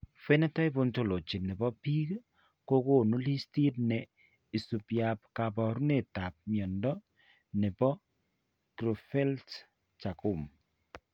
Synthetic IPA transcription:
fɛ˦nɛ˦ta˦jbo˦nto˨lo˨t͡ʃi˨nɛ˨bɔ˦pi˦k | ko˦ko˦˨nu˦li˦sti˦tnɛ˨ | i˨su˨pja˨p̚ka˨bɔ˨ɾu˦ne˨ta˨p̚mjɔ˨ndɔ˦ | nɛ˨bɔ˦ | kɾo˨fɛ˦lt | t͡ʃa˨ku˦˨m

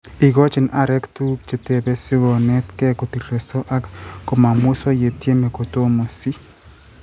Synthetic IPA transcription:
i˨ɡɔ˦t͡ʃɪ˨na˦ɾɛ˦ktu˦k̚t͡ʃe˨tɛ˨bɛ˦si˦ɡɔ˨nɛ˦tkɛ˦ko˨ti˨ɾɛ˨sɔ˦ʔa˦kkɔ˨ma˨mʊ˦sɔ˦je˨tje˦me˨ko˨to˦mo˨si˦

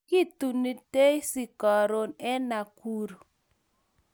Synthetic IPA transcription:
ki˦t̪u˨ni˦te˦jsi˨kɔ˨ɾo˦nɛ˦na˨ku˦ɾo˨

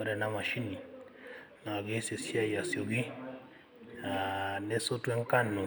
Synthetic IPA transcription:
ɔ˦ɾɛ˨na˦ma˨ʃi˦ni˨ | na˨a˨ɡe˦se˨si˦a˦ja˨sjo˨ɡi˦ | a˨nɛ˦so˦tu˦ɛ˦ŋ˦ka˦nːo˨

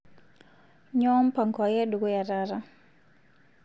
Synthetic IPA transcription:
ɲɔ˦mpa˨ŋkɔ˨jɛ˦du˨ɡo˦ja˨ɾa˦ɾa˦

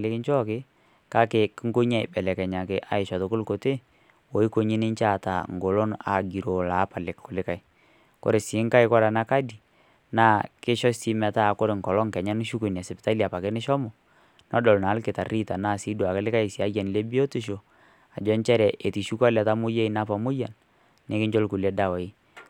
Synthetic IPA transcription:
lɪ˦kɪ˦ɲt͡ʃɔ˦kɪ˦ | ka˦kɪ˨kŋɡo˦ɲa˦˨jbɛ˨lɛ˨kɛ˨ɲa˨kɪ˨ʔa̰˨˦ɪ˨ʃɔ˨to˨kʊ˦lko˨te˦ | wo˨i˦ko˦ɲi˦nɪ˦nt͡ʃa˦˨ta̰˨ŋ˨ɡo˨lo˦na̰˨ɡi˨ɾo˨la˨˦pa˨lɪ˨kkʊ˨lɪ˦ka˨ɪ˨ | ko̰˨ɾe˨sɪ˨˦ŋka˦jkɔ˦ɾa˨na˦ka˦di˨ | naː˦˨kɪ˦ʃɔ˦si˦mɛ˨ta˦˨ko˦ɾɪ˨ŋkɔ˨lɔ˦ŋkɛ˨ɲa˦n˦ʃu˦ku˨na˨sɪ˨pɪta˦li˨a˨pa˨ke˦nɪ˦ʃɔ˦mɔ˨ | nɔ˦dɔ˨lna˨˦lkɪ˨ta˨ri˦ta˨naː˦˨si˦du˨a˨kɛ˦lɪ˦ka˦ɪ˨si˨a˦ja˨n˨le˦bi˦o˦ti˦ʃ̬o˨ | a˨d͡ʒɔ˦nt͡ʃɛ˦ɾɛ˨ʔe˨ti˨ʃu˦ka˦lɛ˨ta˦mʊ˦je˦i˨˦na˦pa˨mʊ˦ja˨nː | e˦kɪ˦ɲd͡ʒo˦lku˨le˦da˦˨wa˨i˦

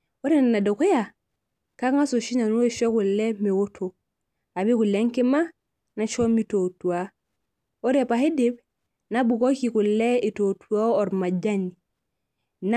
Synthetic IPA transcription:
o˦ɾe˦n˨na˨do˨ko˦ja˨ | ka˦ŋa˦so˨ʃi˦na˨nu˦e˦ʃo˦ku˨lːe˦me˨wo˦tʰo˨ | a˨bi˦ku˨le˦ŋke˦ma˦ | na˦t͡ʃo˦mi˦to˨tu˨a˨ | o˦ɾepa˨he˦de˦b | na˦bu˨ko˦ki˨ku˨lːe˦i˨to˨tʰu˨a˦o˨ɾma˨ɟa˦ni˨ | n

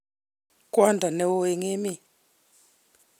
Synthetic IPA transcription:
kʼwa˦ndʱa˨nɛ˨wo˦e˨ŋe˦mi˦˨

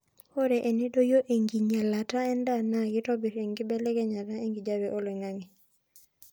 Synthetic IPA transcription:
ho˦ɾɛ˨ʔe˨ni˦do˦jo˦ʔe˨ŋɡi˨ɲa˨la˨ta˦ɛ˦nda˦na˦ɡi˦tɔ˦bi˨ɾe˨ŋɡi˦bɛ˦lɛ˦ɡɛ˦ɲa˨ta˦e˦ŋɡi˨d͡ʒa˦bɛ˨ʔo˦lwe˨ŋa˦ŋi˨

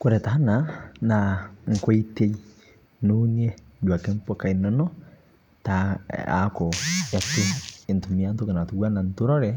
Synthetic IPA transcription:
kʊɾɛ˨ta˦nanaŋ˨kɔ˦ite˦j | nun˦ɛ˦ | d͡ʒu˨a˨kɛ˦npɔ˦ka˨inɔ˦nɔ˦ | taa̰kɔ˨a˨tuɪ˨ntu˨mi˨antɔ˦kɛ˨na˨tu˨ɡwa˦na˨ntu˦ɾɔ˦ɾɛ

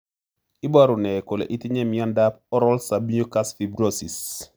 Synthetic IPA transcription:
i˦baɾʊ˨nɛ˨ko˨lḛ˨ʔi˦ti˦ɲɛ˦mijɔ˦ndap̚ɔ˦ɾɔlsabi˦ɲo˦ka˦sfi˨bɾosi˨s

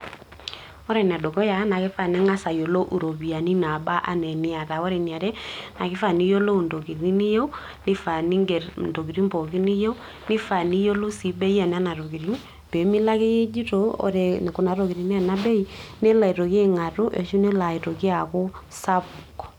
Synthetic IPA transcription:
ɔ˦ɾɛ˨n˨a˨do˨kɔ˦ja˨˦na˨kɪ˦fa˨ne˦ŋa˦sa˨jo˨lo˦ʔu˨ɾo˨bi˨a˨ni˦na˨ba˦ʔa̰˨nɛ˨nɪ˦a˨ta˨ɔ˦ɾɛ˨ni˨a˨ɾɛ˦na˨kɪ˦fa˦˨ni˦jo˦lo˦˨ndo˨ki˨ɾi˦ni˦jo˦ | nɪ˦fa˨ni˦ŋɡɛ˨ɾndo˨ki˨ɾi˦mbo˨ki˦ni˦jo˦ | nɪ˦fa˨ni˦jo˦lo˦si˨˦be˦i˦a˨n˦a˦na˨ɾo˨ki˨ɾi˦n˦ | be˨˦mi˦la˦ke˦je˦d͡ʒi˦to˨˦ɔ̰˨ɾɛ˨n˨kʊ˨na˨ɾo˨ki˨ɾi˨n˦ɛ˦˨na˦be˦i˦ne˦la˨i˨ɾo˨kːŋa˨tʊ˦ʔḛ˨ʃu˦ne˦la˨i˨to˨ki˦a˨kʊ˦sa˦bu˨k

